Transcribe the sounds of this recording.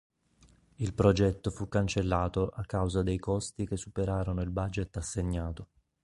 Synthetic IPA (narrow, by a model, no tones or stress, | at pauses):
ilpɾod͡ʒɛt̪ːofukːant͡ʃelːaːt̪oʔakːawzad̪ejkɔst̪ik̟esːupeɾaːɾonoilbad͡ʒet̪ːasːeɲːaːt̪o